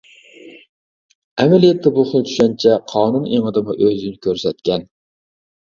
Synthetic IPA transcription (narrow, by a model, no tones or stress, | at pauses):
æmælijɛt̪ʰːɪbʊχəlˠt͡ʃ̪ʰy̥ʃɛnt͡ʃʰɛqʰɑːnuneŋɨd̪ɨmɪʔøzɪnɪkʲʰøɾsɛt̪̚kʲʰɛn